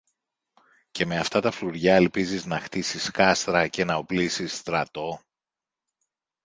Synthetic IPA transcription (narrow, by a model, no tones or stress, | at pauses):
ce̞me̞ɐft̪ɐt̪ɐfluɾʝɐelpiziznɐxt̪isiskɐst̪ɾɐce̞nɐoplisisːt̪ɾɐt̪o̞